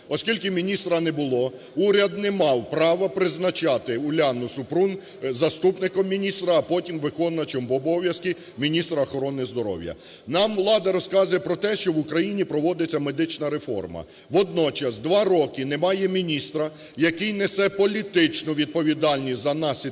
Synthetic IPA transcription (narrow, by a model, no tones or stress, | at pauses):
ɔskʲilʲkɪmʲinʲist̪ɾɐnɛbʊlˠɔ | uɾʲɐd̪nɛmɑwpɾɑʋɐpɾɪznɐt͡ʃɑt̪ɪʊlʲanʊsʊpɾun | zɐst̪upnɪkɔmːʲinʲist̪ɾɐːpɔtʲimʋɪkɔnːɐt͡ʃɔmbɔbɔʋʲjɐskʲi | mʲinʲist̪ɾɐːxɔɾɔnɪzd̪ɔɾɔ̰wjɐ̰ | nɑmʋlˠɑd̪ɐɾɔskɑzʊjɛpɾɔt̪ɛʃt͡ʃɔʋʊkɾɐjinʲipɾɔʋɔd̪et͡sʲːɐmed̪ɪt͡ʃnɐɾefɔ̰rmɐ̰ | ʋɔd̪̚nɔt͡ʃɐsd̪ʋɑɾɔkɪnɛmɑjɛmʲinʲist̪ɾɐ | jɐkɪjnɛsɛpɔlʲit̪ɪt͡ʃnɔʋʲid̪̚pɔʋʲid̪ɑlʲnʲisʲzɐnɑsʲi